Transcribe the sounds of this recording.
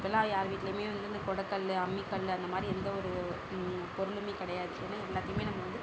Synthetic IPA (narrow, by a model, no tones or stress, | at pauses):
pːɔɛlːãːjaːɾɯʋiːʈːɪlejmeːʋɐnd̪ɯɪnd̪ɐkɔɽɐkːɐɭɐmːikːɐɭɐnd̪ɐmaːd̪ɾiɛnd̪ɐɔɾɯ | pɔɾɯɭɯmeːkɪɽɐjaːðɯt͡ʃːɛnːɐɛlːaːt̪ːɪjmeːnɐmːɐʋɐnd̪ɯ